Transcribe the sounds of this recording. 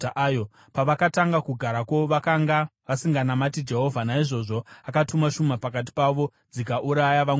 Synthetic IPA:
ʔajo | paʋakataŋɡakuɡʱaɾakoʋakaŋɡaʋasiŋɡanamatid͡ʒe̞ɦo̞vʱanaiʐo̞ʐoakatumaʃumapakat̬i̥paʋo̞ | d͡zikaʔuɾajaʋa

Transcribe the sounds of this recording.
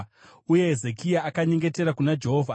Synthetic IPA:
uje̞ɦeze̞kijaːkaɲe̞ŋɡe̞te̞ɾakunad͡ʒe̞ɦovʱa

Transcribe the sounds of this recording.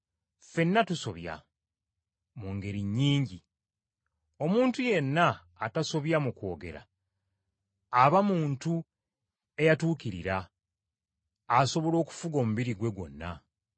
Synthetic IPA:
fe̞nːatuso̞βja̰ | muŋɡe̞ɾiɲːiːɲɟi | o̞muːntuje̞nːaː | taso̞βjamuko̞ːɡe̞̰ɾa̰ | βamuːntu | e̞jatuːkiɾḭɾa | aso̞βo̞lo̞ːku̥fuɡoːmuβiɾiɡwe̞ɡo̞̰nːa

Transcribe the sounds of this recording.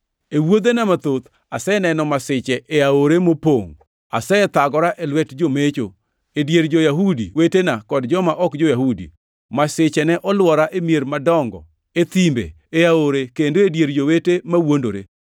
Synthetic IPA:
ewod̪enamat̪ot̪ | asɛnɛnɔmasɪt͡ʃɛʔeaoɾemopoŋ | a̰sɛt̪aɡɔɾaʔelwɛtd͡ʒomet͡ʃo̰ | edjeɾd͡ʒojaɦudḭwetenakɔdd͡ʒɔmaʔɔkd͡ʒojaɦudḭ | masɪt͡ʃɛnɛʔɔlwɔɾaʔemijeɾmadɔŋɡɔ̰ | et̪imbḛ | eaoɾekendoedjeɾd͡ʒowetemawondoɾḛ

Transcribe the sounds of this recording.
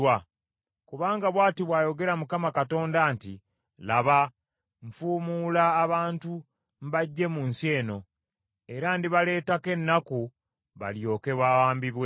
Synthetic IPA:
wa | kuβaːŋɡaβwaːtiβwaːjo̞ɡe̞ɾamukamakato̞ːndantḭ | laβa | ɱ̩fuːmulaːβaːntu | m̩βaɟːe̞munsie̞ːno̞ | e̞ɾandiβale̞ːtake̞nːaku | βa̰ljo̞ːke̞βaːwaːmbiβwe

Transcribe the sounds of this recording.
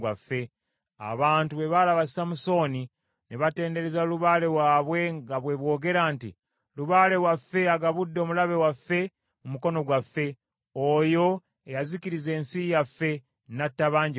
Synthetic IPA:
wafːe̞ | a̰βaːntuβe̞βalaβasi̥samuso̞ni | neβate̞ːnde̞ɾezaluβale̞waːβwe̞ŋɡaβwe̞βwo̞ːɡe̞ɾaːntḭ | luβaːle̞wafːe̞aɡaβudːo̞ːmulaβe̞wafːe̞ | mumuko̞no̞ɡwafːe̞ | ojo̞ | ejaziciɾize̞ːnsijafːe̞ | natːaβaːɲɟ

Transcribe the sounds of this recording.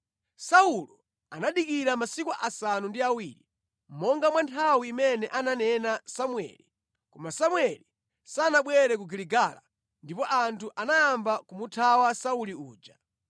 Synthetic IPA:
saulɔ | anaɗikiɾamasikuʔasanundiawiɾi | m̩mɔŋɡamwantʰawiːmɛnɛʔananɛnasamwɛ̰li | kɔmasamwɛli | sanaɓwɛɾɛk̬uɡiliɡala̰ | ndipɔʔantuʔanajambakumutʰawasauliuːd͡ʒa

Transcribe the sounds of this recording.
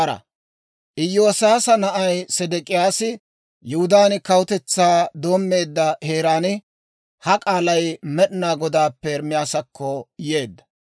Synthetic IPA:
ɾɐ̰ | ʔɪjːo̞ːsaːsɐnɐʔɐjsɛd̪ɛkʼɪjaːsɪ | jʊhʊd̪aːnɪkɐwʊt̪ɛt͡sːaːd̪o̞ːmːe̞ːd̪ːɐheːɾaːnɪ | hɐkʼaːlɐjmɛɗɪnaːɡɔd̪aːpːɛɾmːɪjaːsɐkːɔje̞ːd̪ːɐ̥

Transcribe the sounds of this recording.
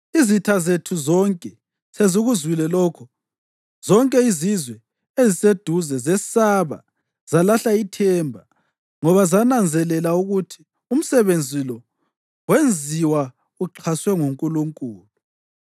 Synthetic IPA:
izitʰazetʰuzɔŋkʼɛ | sezuɣuzwilɛlɔːkʰɔ | z̥ɔŋkʼɛizizwɛ | ezised̥ʱuzɛzɛsaβa̰ | z̥alaɬaitʰɛːmbʱa | ŋɔβazanand͡zʱɛlɛlauɣutʰi̥ | um̩sɛβend͡zʱilɔ | wend͡zʱiwa | uǃʰaswɛŋuŋkʼuluŋkʼuːlu

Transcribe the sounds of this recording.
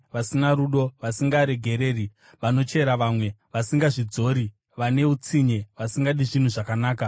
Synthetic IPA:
ʋasinaɾuɗo̞ʋasiŋɡaɾe̞ɡʱe̞ɾe̞ːri | ʋano̞t͡ʃe̞ɾaʋamwe̞ʋasiŋɡaʐid͡zo̞ːɾi | ʋane̞ut͡siɲeʋasiŋɡaɗiʐin̤uʐakanaːka

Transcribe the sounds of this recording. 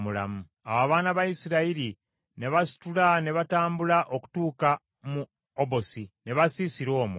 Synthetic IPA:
mula̰mu | awaβaːnaβaisiɾaili | ne̞βasi̥tulane̞βataːmbulaʔo̞ku̥tuːka | mu | obo̞sine̞βasisiɾo̞ːmwe

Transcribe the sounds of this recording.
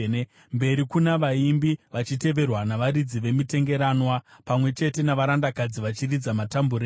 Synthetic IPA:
mbe̞ɾikunaʋaimbiʋat͡ʃite̞ʋe̞rwanaʋaɾid͡ziʋe̞mite̞ŋɡe̞ɾaːnwapamwe̞t͡ʃe̞te̞naʋaɾandakad͡ziʋat͡ʃirid͡zamatambuɾe

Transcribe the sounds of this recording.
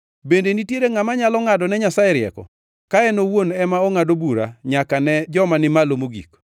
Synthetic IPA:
bendenitjeɾeŋamaɲalɔŋadɔnɛɲasaɛɾɪɛ̰kɔ̰ | kaɛnowonɛmaoŋadobuɾa̰ɲakanɛd͡ʒɔmanɪmalomoɡḭk

